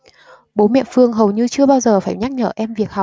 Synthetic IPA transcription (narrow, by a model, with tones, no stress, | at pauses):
ɓo˨˦mɛ̰˧˨fɨ˧əŋɦə˨˩wɲɨ˧t͡ɕɨ˧əɓaː˧wzəː˨˩faː˧˩jɲa˦˥k̚ɲəː˧˩ʔɛ˧mvi˨˩ək̚ha˨˩k͡p̚